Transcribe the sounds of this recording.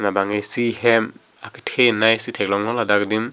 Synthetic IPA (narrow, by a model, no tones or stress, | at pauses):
nabaŋejsiɦem | akʰitʰenajsitʰeklɔŋnɔladak̚dim